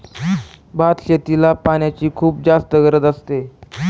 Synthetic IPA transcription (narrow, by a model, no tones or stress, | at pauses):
bʱat̪ɕet̪ilapanjat͡ɕiːkʰuːp̚d͡zast̪əɡəɾəd̪əst̪e